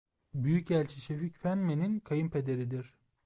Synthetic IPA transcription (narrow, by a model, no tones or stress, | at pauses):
byjycælʲt͡ʃʰiʃeficfænmeninkʰajɯmpʰe̞d̪e̞ɾid̪iɾ̥